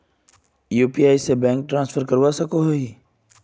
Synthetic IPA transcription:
juːpiaːisebɛ̃ːŋk̚ʈɾãːnsfʰəɾkəɾʋasəkoɦoɦiː

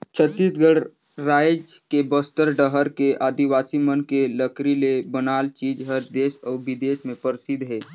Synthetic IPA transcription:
t͡ʃʰət̪ːisɡəɽ | ɾaːjd͡ʒkebəst̪əɾɖəɦəɾkeʔaːd̪iʋaːsimənkeləkɾilebənaːlt͡ʃiːd͡ʒɦəɾd̪eːsɔːɾʋɪd̪eːsmẽpəɾsɪd̪ʱɦɛː

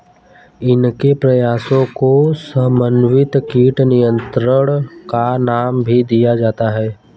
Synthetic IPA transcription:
ɪnkepɾɐjaːsõkosəmənʋɪt̪kiːʈnɪjə̃nt̪ɾəɽkanaːmbʱid̪ijad͡ʒaːt̪aɦɛː

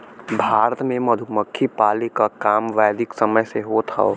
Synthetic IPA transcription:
bʱaːɾət̪mẽmɐd̪ʱʊməkʰːipaːlikakaːmʋaːd̪ɪksɐməjseɦot̪ʰa̰o̰ː

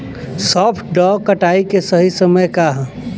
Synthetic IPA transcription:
sɔːpʰʈɖɔːkɐʈaːikesɐɦisɐməjkaɦ

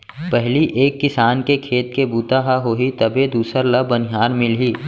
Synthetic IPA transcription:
pɛɦliʔeːkːɪsaːnkekʰeːt̪kebuːt̪aɦaɦoːɦit̪ɐbʱed̪uːsəɾlɐbːənɪɦaːɾmɪlɦiː

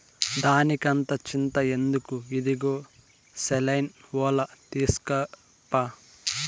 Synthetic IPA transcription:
d̪aːnikɐnt̪ɐt͡ʃint̪ɐe̞nd̪ukuid̪iɡoː | selɐjnʋɔːlɐt̪iːsu̥kɐ | pːa

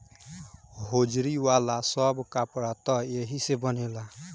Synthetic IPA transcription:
ɦod͡ʒɾiwalasɔbkapɽat̪ɔeɦisebɔnela

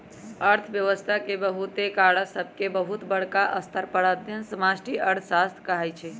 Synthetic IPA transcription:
əɾt̪ʰbjəʋəst̪ʰakebəɦut̪ekaɽasəbʱkebəɦut̪bəɽkaʔəst̪ʰəɾpəɽəd̪ʱjənsəmasʈiʔəɾt̪ʰsast̪ʰkəɦɛjt͡ʃʰɛ

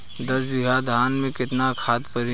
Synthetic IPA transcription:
d̪ɐsbɪɡʱad̪ʱaːnmẽkɪt̪nakʰaːt̪pəɾi

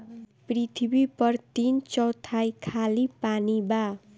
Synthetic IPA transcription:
prit̪ʰibipʌrt̪int͡sʌwt̪ʰajkʰalipaniba

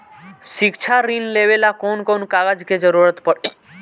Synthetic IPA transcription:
ʃikt͡ʃʰaɾinlebelakonkonkaɡad͡ʑked͡ʒɔɾuɾət̪pɔɽ

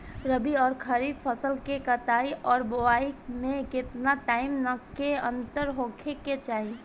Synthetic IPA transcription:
ɾəbiɔːɾkʰəɾiːdpʰəsəlkekət̪aːiʔɔːɾboaimẽkɪt̪naʈaːɪmnəkeə̃nt̪əɾɦokʰeket͡ʃaːi

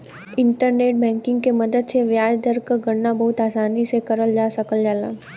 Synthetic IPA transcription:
ɪ̃ɳʈəɾneːʈ̚bɛ̃ːŋkɪ̃ŋɡkemɐd̪əd̪seʋjaːd͡ʒd̪əɾkəɡɐɽnabɐɦʊt̪aːsaːnisekɐɾəld͡ʒaːsɐkəld͡ʒaːla̰ː

